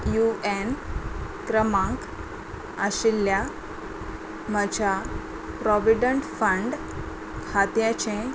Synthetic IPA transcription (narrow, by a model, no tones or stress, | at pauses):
juen | kɾəmãŋk | əɕilːja | məd͡ʑʱa | pɾɔʋiɖəɳʈfəɳɖ | hat̪jãt͡ɕẽ